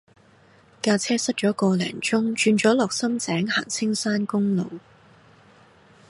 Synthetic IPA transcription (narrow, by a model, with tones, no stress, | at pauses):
kaː˧t͡sʰɛː˥sɐ˥t̚t͡ʃɔː˨˥kɔː˧lɛ̰ː˨˩ŋt͡ʃʊ˥ŋt͡ʃyː˧nt͡ʃɔː˨˥lɔː˨k̚sɐ˥mt͡sɛː˨˥ŋhaː˨˩ŋt͡sʰɪ˥ŋsaː˥nkʊ˥ŋlo̰˨˧w